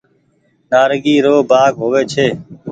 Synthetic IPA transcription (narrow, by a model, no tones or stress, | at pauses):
naːɾɡiːɾoːbaːɡɦoːʋeːt͡ʃʰeː